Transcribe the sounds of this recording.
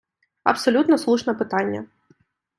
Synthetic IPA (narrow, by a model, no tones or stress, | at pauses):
ɐ̰psɔlʲut̪nɔslˠuʃnɛpɪt̪ɑnʲːɐ̰